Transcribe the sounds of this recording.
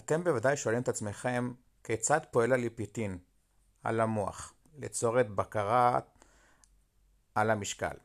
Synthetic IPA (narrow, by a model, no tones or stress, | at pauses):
at̪e̞mbevadajʃeoalimet̪at͡sme̞χe̞m | ket͡sad̪poe̞lalipit̪in | a̰lamoa̰χ | let͡so̞ʁet̪bakaʁa | alamiʃka̰l